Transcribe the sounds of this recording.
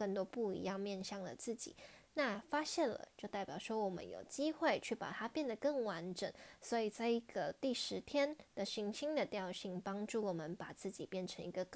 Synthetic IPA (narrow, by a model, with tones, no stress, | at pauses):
kə˥˩nt̪woɔ˥pu˥˩ḭ˧˥jɑ˥˧ŋmjɛ˥˧nɕɑ˥˩ŋlə̰˩t͡sɹ̩˥˩t͡ɕḭ˨˩˦na˥˧fa˥ɕjɛ˥˩nlə̰˩t͡ɕjo˥˧t̪a˥˩ɪpjɑ˨˩ʊʂwɔ˥wɔ˨˩mə̰˦njo̰˨˩ʊt͡ɕi˥xwe˥˧ɪt͡ɕʰy˥˩pa̰˨˩t̪ʰa˥pjɛ˥˩nd̪ə˩kɤ˥˩ŋwa˧˥nʈ͡ʂə˨˩ŋswɔ˧˥i˨˩t͡sa˥˧ɪi˧˥ɡə˧t̪i˥˩ʂɻ̩˧˥t̪ʰjɛ˥nd̪̥ə˨ɕi˧˥ŋt͡ɕʰi˥ŋd̪ə˨t̪jɑ˥˧ʊɕi˥˩ŋpɑ˥ŋʈ͡ʂu˥˩wɔ˨˩mə˦npa˨˩t͡sɹ̩˥˩t͡ɕi˨˩pjɛ˥˩nʈ͡ʂʰɤ˧˥ŋi˧˥ɡə˧k